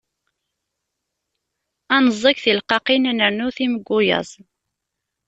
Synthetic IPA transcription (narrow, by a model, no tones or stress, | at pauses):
ænəzˤːɑkθilqɑqinænənuθiməɡʷːʊjə̰zˤ